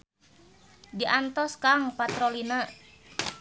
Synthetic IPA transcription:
diʔant̪ɔskaŋpat̪ɾolina

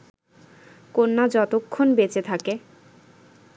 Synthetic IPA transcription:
konːad͡ʑɔt̪okʰːonbet͡ɕet̪ʰake

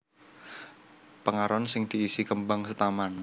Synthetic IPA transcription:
pəŋaɾɔnsɪŋd̪̥i̤ːsikəmbaŋsət̪aman

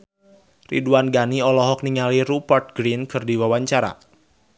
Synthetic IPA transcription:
rḭduanɡaniɔlɔɦɔk̚niŋaliɾupart̪̚ɡɾinkʰərdiwawaɲt͡ʃaɾa̰

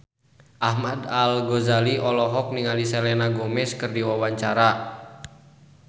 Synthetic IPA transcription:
ʔahmadalɡɔzaliʔɔlɔɦɔk̚niŋalisɛlɛnaɡɔmɛskɨrdiwawaɲt͡ʃaɾa

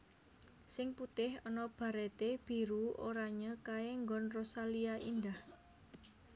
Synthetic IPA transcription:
sɪŋput̪ɪhɔnɔb̥a̤ɾɛt̪eb̥i̤ɾuo̰ɾaɲakaeŋɡɔnrosaliaʔindah

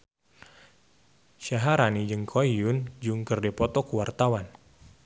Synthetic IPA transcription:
ʃaɦaɾanid͡ʒɨŋkʰoijund͡ʒuŋkərdɛpɔt̪ɔkuwart̪awan

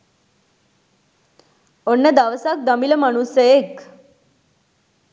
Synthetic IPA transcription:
onːəd̪aʋsak̚d̪əmiləmaɽ̃useek

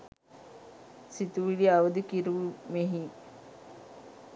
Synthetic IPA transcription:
sit̪uʋiliaʋəd̪ukiɾuʋumeɦi

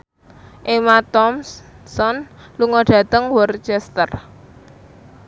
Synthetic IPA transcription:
ʔemat̪ɔmsɔnluŋɔɖ̥ä̤t̪əŋwɔrt͡ʃɛst̪ər

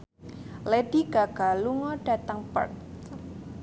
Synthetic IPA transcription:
leɖ̥iɡ̥a̤ɡ̥a̤luŋɔɖ̥a̤t̪aŋpə̰rn

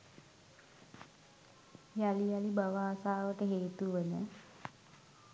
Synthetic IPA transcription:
jalialibaʋaːsaːʋəʈəɦeːt̪uʋənə

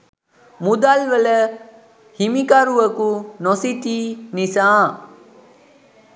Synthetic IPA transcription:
mud̪alʋələ | himikaɾuʋəkunosit̪iːnisãː

